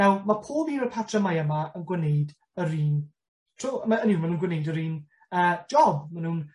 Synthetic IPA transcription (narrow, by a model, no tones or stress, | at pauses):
awmapʰoːviːnəpʰatʰrəmajəmaənɡwɛnejd | əɾiːn | tʰruːmaənimanuːnɡwɪnejdəɾiːn | ə̥ːd͡ʒɔbmanuːn